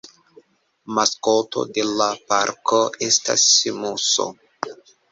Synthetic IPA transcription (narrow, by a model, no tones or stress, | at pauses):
maskoto̞̰de̞lapa̰ɾkʰoe̞sta̰simuso̞̰